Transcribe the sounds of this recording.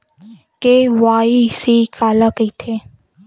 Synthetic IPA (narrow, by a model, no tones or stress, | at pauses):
kewaːisikaːlakit̪ʰe